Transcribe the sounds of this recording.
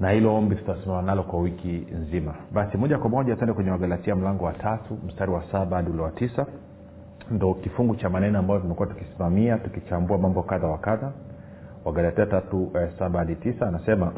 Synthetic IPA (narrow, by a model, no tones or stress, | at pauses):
nahilɔɔmbitu̥tasimamanalɔkwawikinzimaɓasimɔʄakwamɔʄatuɛndɛkwɛɲɛwaɡalatiam̩laŋɡɔwatʰatʰum̩staɾiwasaɓaaɗiulɛwatisa | ndɔkifuŋɡut͡ʃamanɛnɔambajɔtumɛkuwatu̥kisimamiatukit͡ʃambuamambɔkaðawakaða | waɡalatiatatusaɓaaɗitisaːnasɛma